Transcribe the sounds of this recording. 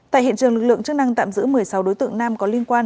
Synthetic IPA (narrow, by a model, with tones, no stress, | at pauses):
t̪a̰ː˧˨hḭ˧˨nt͡ɕɨ˨˩əŋlɨ˨˩k̚ɨ̰˧˨ə˨ŋt͡ɕɨ˦˥k̚na˧ŋt̪a̰ː˧˨mzɨ̰˧˥mɨ˨˩əjsa˨˦wɗo˨˦jt̪ɨ̰˧˨əŋnaː˧mkɔ˨˦li˧ənkwaː˧n